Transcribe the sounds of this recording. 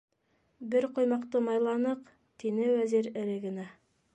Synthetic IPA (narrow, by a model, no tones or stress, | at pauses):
bɪɾqʰojmɑqt̪ɤmɑjlˠɑnɤq | t̪ʰenɘwæzeɾɪɾɘɡɪ̆næ